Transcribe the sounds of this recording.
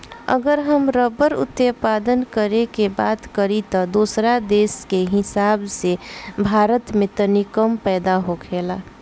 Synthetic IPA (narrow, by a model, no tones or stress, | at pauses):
ə̰ɡəɾɦəmɾəbəɾʊ̰t̪jəpaːd̪ənkəɾekebaːt̪kəɾit̪ɔd̪osɾad̪eːskeɦɪsaːbsebʱaːɾət̪mẽt̪ənikəmpɛːd̪aɦokʰeːla